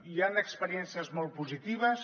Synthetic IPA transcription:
ianəkspəɾiɛnsiəzmɔlˠt̪̚puzit̪iβ̞əs

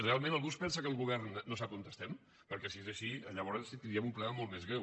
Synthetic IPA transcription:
realˠmẽnəlɣuspɛnsəkəːlˠɣuβ̞ɛɾnːosap̚ont̪əst̪ɛm | pəɾkɛsiezəʃiəʎəβ̞ɔɾənsit̪ind̪iəmumplɛmolˠt̪mezɣɾew

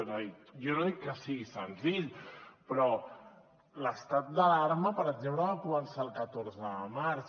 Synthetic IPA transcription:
noijonoðikːəsiɣisənziʎpɾɔ | ləst̪at̪̚d̪əlaɾməpəɾəɡzempləakumənsaːlˠkət̪oɾzəəmaɾs

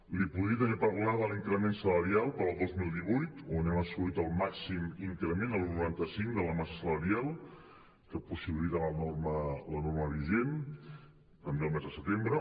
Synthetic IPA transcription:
lipuðɾiət̪̬ənipəɾlaðəliŋkɾəmensələɾialˠpəɾəlˠd̪ozmilˠd̪iβujt̪onɛməsuit̪əlˠmaksimiŋkɾəmenəlˠnuɾant̪əsiŋd̪ələmasəsələɾialˠ | kəpusiβilit̪alənormələnorməβiʒen | t̪əmbeəlˠmɛzðəsət̪embɾə

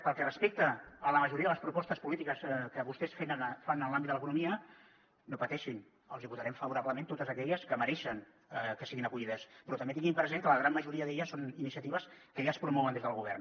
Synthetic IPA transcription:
pəlˠkɛrəspek̚t̪əːləməʒuɾiəðələspɾupɔst̪əspulit̪ikəskəβust̪ɛsfenəfanəlambtd̪ələkunumiə | nopət̪ɛʃin | ə̰lˠziput̪əɾɛmfəβuɾaβləmẽnt̪ot̪əzəkɛʎəskəməɾɛʃəŋ | əkəsiɣinəkuʎiðəspɾɔt̪əmbet̪iŋɡimpɾəzeŋkələɣɾamməʒuɾiəðeʎəsoninisiət̪iβəskəjaspɾumɔwənd̪ezðəlˠɣuβ̞ɛrn

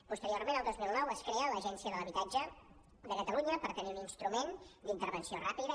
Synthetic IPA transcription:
pust̪əɾiormenəlˠd̪ozmilˠnɔwəskɾeələʒɛnsiəðələβit̪ad͡ʒə | d̪əkət̪əluɲəpəɾt̪əniuninst̪ɾumend̪int̪əɾβənsiorapiðə

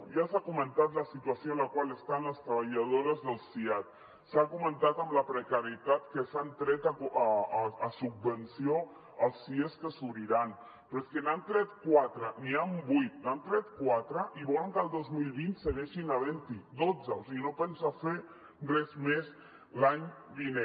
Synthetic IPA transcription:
ʒasakumənt̪at̪ləsit̪uasjoənləkwaləst̪anləst̪ɾəβaʎað̞oɾəzðəlˠsiat̪̚ | sakumənt̪at̪əmləpɾəkaɾiet̪at̪kəsant̪ɾɛt̪akː | sub̚ːənsio | əlˠsːieskəsuβɾiɾan | pɾoeskənant̪ɾɛt̪kwat̪ɾəniambujt̪nant̪ɾɛt̪̚kwat̪ɾəʔiβɔləŋkəlˠd̪ozmilˠβint̪səɣɛʃinaβɛnt̪id̪od͡zəosiɣinopɛnsafe | rrɛzmes | laɲd̪ine

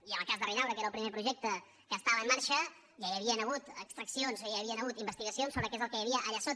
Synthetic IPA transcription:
iənəlˠkazðərinawɾəkeɾəlˠpɾimepɾuʒɛk̚t̪ə | kəːst̪aβəːmːaɾʃə | jajəβiənəɣ̞ut̪əkst̪ɾəksionzojaβiənəɣ̞ut̪imbəst̪iɣəsionsoβɾəkezəlˠkəjəβiəʔːʎasot̪

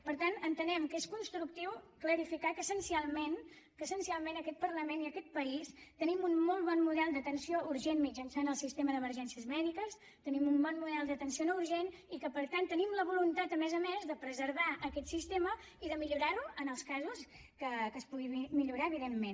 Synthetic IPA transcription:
pəɾt̪anənt̪ənɛmkeskunst̪ɾuk̚t̪iwkləɾifikakəsənsialˠmen | kəsənsialˠmenəkɛt̪̚pərləmeniəkɛt̪̚pəist̪ənimunmɔlˠβɔnmuðɛlˠd̪ət̪ənsioʔuɾʒenmid͡ʒənsanəlˠsist̪eməðəməɾʒɛnsiəzmɛðikəs | t̪ənimumbɔnmuðɛlˠd̪ət̪ənsionɔuɾʒen | ikəpəɾt̪ant̪ːənimləβulunt̪at̪əmɛzəmezðəpɾəzəɾβaʔəkɛt̪sist̪emə | iðəmiʎuɾaɾuənəlˠskazus | kəkəspuɣimiʎuɾaəβiðemːen

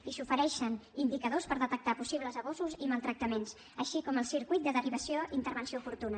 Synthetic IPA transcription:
isufəɾɛʃənind̪ikəðospəɾðət̪ək̚t̪apusiβ̞ləzəβɔzuziməlˠt̪ɾək̚t̪əmens | əʃikɔməlˠsiɾkuijt̪̚d̪əðəriβ̞əsioint̪əɾβ̞ənsiofuɾt̪unə

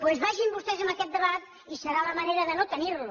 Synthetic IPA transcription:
pwezβaʒimbust̪ɛzəmbəkɛt̪̚d̪əβat̪̚ | isəɾaləməneɾəðənot̪əniɾlu

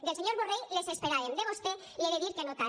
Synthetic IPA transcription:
d̪else̞ɲoɾβorejlesespeɾaɾend̪eβost̪e | leɾeðiɾkenot̪a

